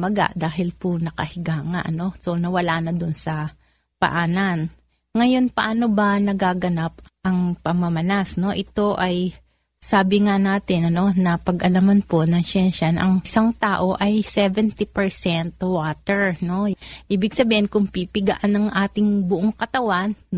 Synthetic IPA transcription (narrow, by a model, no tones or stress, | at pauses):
mɐɡa̰ʔd̪aːɦɪlpʊnɐkɐhɪɡaːŋɐ̰ʔɐno̞so̞nɐwɐlaːnɐd̪ʊnsɐ | pɐ̰ʔaːnɐn | ŋɐjo̞npɐʔaːno̞bɐnɐɡaːɡɐnapʔɐŋpɐŋmɐmɐnasno̞ʔɪt̪o̞ʔɐj | saːbɪŋanaːt̪ɪnɐno̞nɐpɐɡʔɐlamanpo̞nɐŋʃɛnʃɐnʔɐŋʔɪsaŋt̪aːʔo̞ʔɐjsɛvɛnt̪ipɛɹsɛnt̪waːt̪ɛɹno̞ʔiːbɪɡ̚sɐbiːhɪnkʊŋpipɪɡɐʔanɐŋʔaːt̪ɪŋbʊʔoŋkɐt̪ɐwanː